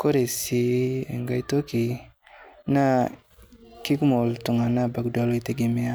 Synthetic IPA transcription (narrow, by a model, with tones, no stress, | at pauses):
ko˦ɾe˨si˨e˨ŋɡa˦i˦to˦ki˨ | na˦ | ki˦kmo˨ltu˨ŋa˨na˦ba˨ɡda˦lo˦i˦te˦ɡi˨˦me˦a˦